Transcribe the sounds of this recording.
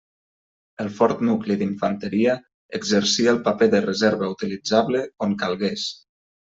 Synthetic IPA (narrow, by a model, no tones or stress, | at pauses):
əlˠfɔɾt̪nukliðiɱfənt̪əɾiə | əɡzəɾsiəlˠpapeðərəzeɾβəut̪ilid͡zaβləoŋkalˠɣes